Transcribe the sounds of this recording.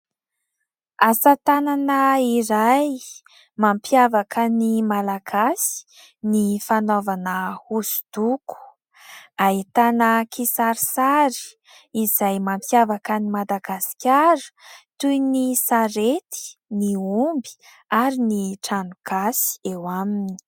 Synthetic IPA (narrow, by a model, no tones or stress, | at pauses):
asat̪ananəiɾaj | mampjavakənimalaɡasi̥ | nifanovanəhusu̥d̪̥uku̥ | ait̪anəkʰisaɾisaɾi̥ | izajmampjavakənimad̪aɡasi̥kʲaɾə̥t̪ujnisaɾet̪i̥niumbi̥ | aɾiniʈ͡ʂaɳuɡ̥asi̥ewamini̥